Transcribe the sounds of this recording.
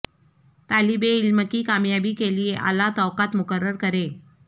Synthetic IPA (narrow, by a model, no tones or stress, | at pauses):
t̪alibeilməkiːkamjabiːkelijeʔa̰lat̪ɔʋkat̪mukərːəɾkəɾe